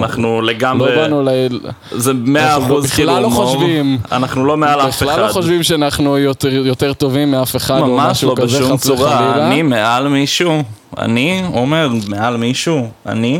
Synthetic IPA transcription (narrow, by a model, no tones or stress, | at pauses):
naχnuleɡamloebanuːlajl | zemeaːuzbiχllːomχooʃvima̰naχnulomealbiχelalːoχoʃvimʃeanaχnujot̪ejoteʁt̪o̞vimːeafe̞χadmomaʃulokazasueʁalilanimealmiʃu | a̰niomeʁmealmiʃua̰ni